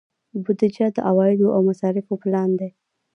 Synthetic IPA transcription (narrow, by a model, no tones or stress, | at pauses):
bʊd̪ɪd͡ʒad̪əʔawɑjɪd̪oʔawmasɑɾɪfoplɑnd̪e